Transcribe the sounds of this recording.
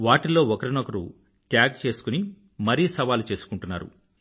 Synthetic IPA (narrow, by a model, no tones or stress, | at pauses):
ʋaːʈilo̞ːɔkɐɾinokɐɾṵ | ʈjaːɡ̚t͡ʃe̞ːsu̥kuni | mɐɾiːsɐʋaːlut͡ʃe̞ːsu̥kuɳʈunːa̰ːɾṵ